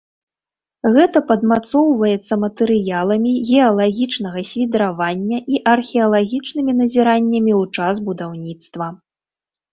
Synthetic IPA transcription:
ɣɛt̪ɐpɐd̪mat̪sɔwvɐjɛt̪sːɐmɐt̪ɛɾɨjalˠɐmʲiɣʲɛɐlˠaɣʲit͡ʂnɐɣɐsʲvʲid̪ɾavanʲːɐʔiʔɐrxʲɛɐlˠaɣʲit͡ʂnɨmʲinɐzʲiɾanʲːɐmʲiwt͡ʂasbud̪awnʲit̪st̪vɐ

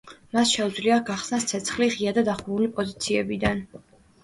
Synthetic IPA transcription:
masʃɛud̪zliaɡaχsnast̪sʰɛt̪sʰχliʁiad̪ad̪aχulipʼɔzit̪sʰiɛbid̪an

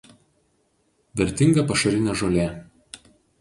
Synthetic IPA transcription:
ʋʲɛɾʲt̪ʲɪŋɡɐpɐʃɐɾʲɪnʲɛˑʒoːlʲeˑ

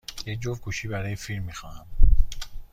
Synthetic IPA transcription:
jec̚d͡ʒovɡuːʃiːbæɾɒːjefilmːixɒːhæm

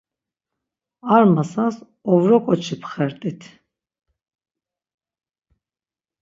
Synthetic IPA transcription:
aɾmasas | ɔvɾɔkʼɔt͡ʃʰipʰχɛɾt̪ʼit̪ʰ

